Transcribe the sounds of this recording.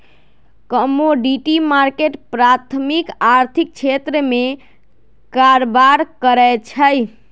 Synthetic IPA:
kəmoɖiʈimaɾkeʈpɾat̪ʰmikaɾt̪ʰik̚t͡ʃʰet̪ɾəme | kaɾbaɾkəɾɛjt͡ʃʰəj

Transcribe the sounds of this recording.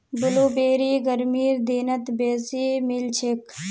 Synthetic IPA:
bʊloːbeːɾiːɡəɾmiːɾd̪eːnət̪beːsiːmɪlt͡ʃʰek

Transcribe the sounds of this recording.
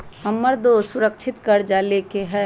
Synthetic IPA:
ɦəmːəɾd̪osʊɾəkt͡ʃʰɪt̪kəɾd͡ʒalekeɦɛː

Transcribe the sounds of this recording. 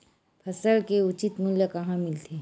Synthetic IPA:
pʰɐsəɭkeʊt͡ʃɪt̪mʊljəkɐɦãmɪlt̪ʰe

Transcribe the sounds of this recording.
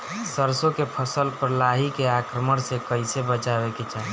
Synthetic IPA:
səɾsõkepʰəsəlpəɾlaɦikeakɾəməɽsekəɪsebət͡ʃabeket͡ʃa

